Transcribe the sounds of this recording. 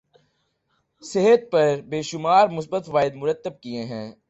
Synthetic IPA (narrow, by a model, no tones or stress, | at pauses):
seɦət̪̚pɐɾbeːʃʊmaːɾmʊs̬bət̪ʋaːɪd̪mʊɾət̪ːəb̚kiẽɦɛ̰̃ː